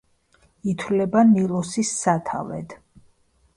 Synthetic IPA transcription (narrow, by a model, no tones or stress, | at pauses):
it̪ʰwlɛbanilˠɔsisːat̪ʰa̰vɛ̰d̪̥